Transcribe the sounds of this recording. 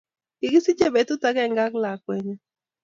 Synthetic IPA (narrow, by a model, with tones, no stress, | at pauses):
i˨ɡi˦si˦t͡ʃe˦be˨tu˦ta˦kɛ˦˨ŋɡa˦kla˨kwɛ˨ɲɛ˦